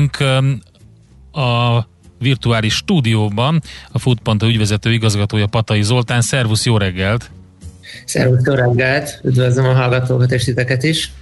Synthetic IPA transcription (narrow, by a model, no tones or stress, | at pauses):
ŋkʰ | ɒ | virt̪uaːliʃːt̪uːd̪ijoːbɒnɒfuːt̪̚pont̪oyɟvʋɛzɛt̪øːiɡɒzɡɒt̪oːjɒpɒt̪ɒjizo̞lt̪aːnsɛrvusjoːɾɛɡːɛlt̪ | sɛ̰ɾvusjoːɾɛɡːɛlt̪yd̪ʋøzəmɒɦɒlɡɒt̪oːkɒt̪eːʃt̪it̪ɛkɛt̪iʃ